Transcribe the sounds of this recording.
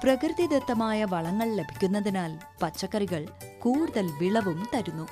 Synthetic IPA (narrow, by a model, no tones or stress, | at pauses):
prɐkɾɨðid̪ɐt̪ːɐmaːjɐʋɐɭɐŋːɐɭle̞bʱi̥kʲːunːɐðinaːl | pɐt͡ɕːɐkːɐriɣɐɭkuːɽuðɐlʋiɭɐʋumt̪ɐɾunːu